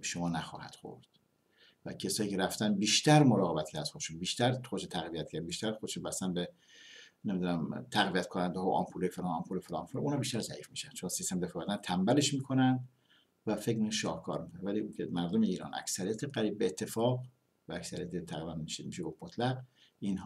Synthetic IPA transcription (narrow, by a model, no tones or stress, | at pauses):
eʃomɒːnæxɒ̰ːhæ̰d̪̥xo̰ɾd̪̥ | væ̰cʰesɒːjiːcʰeɾæft̪ænbiːʃt̪æɾmoɾɒːɣebæt̪cʰæɾd̪̥xod̪eʃunbiːʃt̪æɾxod̪ʃet̪ʰæɣvijæt̪̚cæɾbiːʃt̪æɾxod̪ʃunbæst̪ænbe | nemid̪unæmt̪ʰæɣviæt̪kʰonænd̪eɦɒʔɒ̰mpʰulefelɑnɒmpʰulefelɒ̰mfelmunhɒːbiʃt̪æɾzæ̰ʔiːfmiːʃænd̥̪t͡ʃʰonsist̪emefvænd̪ænt̪ʰæmbæleʃmiːkʰonænd̪ | væfe̞kmiknʃɒːhkʰɒ̰ːɾmikʰonvæliukʲʰemæɾd̪ome̞iːɾɒ̰ːnʔæ̰ksæɾijæt̪ʰeɢæɾiːb̚ːeːt̪ʰːe̞fɒːɣ | vææcsæɾijæt̪ʰet̪ʰæɣvænmiʃemiʃeɡofmot̪ʰlæɡ | inɦ